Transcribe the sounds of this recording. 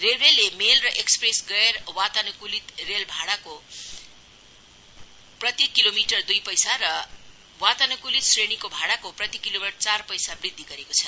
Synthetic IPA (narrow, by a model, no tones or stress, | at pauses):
relrelːemelrʌʔekspresɡʌerwat̪anʌkulit̪relbʱaɽako | prʌt̪ikilomiʈʌrd̪ujpʌjsarʌ | wat̪anʌkulit̪srenikobʱaɽakoprʌt̪ikilomit͡sarpʌjsabrid̪ʱːiɡʌɾekot͡sʰʌ